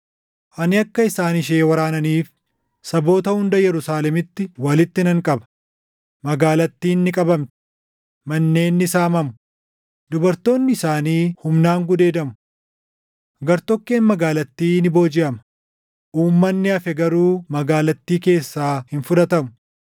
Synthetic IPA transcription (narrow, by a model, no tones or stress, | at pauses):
ʔɐnɪɐkːɐɪsaːnɪʃeːwɐɾaːnɐniːf | sɐbo̞ːt̪ɐhʊnd̪ɐjɛɾʊsaːlɛmɪt̪ːɪwɐlɪt̪ːɪnɐŋkʼɐbɐ̥ | mɐɡaːlɐt̪ːiːnːɪkʼɐbɐmt̪ɪ̥ | mɐnːe̞ːnːɪsaːmɐmʊ̥ | d̪ʊbɐɾt̪o̞ːnːɪɪsaːniːhʊmnaːŋɡʊd̪e̞ːd̪ɐmʊ̥ | ɡɐɾt̪ɔkːe̞ːnmɐɡaːlɐt̪ːiːnɪbo̞ːd͡ʒɪʔɐmɐ̥ | ʔuːmːɐnːɪɐfɛɡɐɾuːmɐɡaːlɐt̪ːiːke̞ːsːaːhɪnfʊᶑ̪ɐt̪ɐmʊ